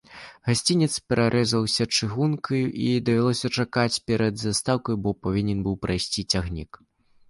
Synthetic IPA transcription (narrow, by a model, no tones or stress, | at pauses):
ɣasʲt͡sʲinʲɛt̪spʲɛɾaɾʔɛzɐwsʲɐt͡ʂɨɣunkʰɐjʔid̪ɐvʲɛlˠɔsʲɐt͡ʂakat͡sʲpʲɛɾɐd̪zast̪awkɐjbɔpavʲinʲɛnbɨwpɾʔajsʲt͡sʲit͡sʲaɣnʲḭk